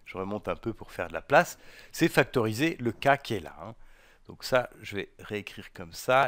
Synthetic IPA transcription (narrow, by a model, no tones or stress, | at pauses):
ʒ̥əʁəmɔ̃t̪ɛ̃pøpuʁfɛ̰ʁd̪əla̰plasːɛfak̚t̪ɔʁizeləkakʲiɛla̰ɛ̰̃ | d̪̥ɔ̃ksaʒəvɛʁeekχiʁkɔmsa